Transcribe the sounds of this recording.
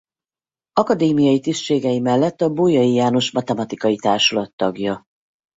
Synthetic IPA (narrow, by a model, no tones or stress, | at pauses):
ɒkɒd̪eːmijɒjit̪ist̪ʃeːɡɛjimɛlːɛt̪ːɒbuːjɒjijaːno̞ʃmɒt̪ɛmɒt̪ikɒjit̪aːrʃolɒt̪ːɒɡjɒ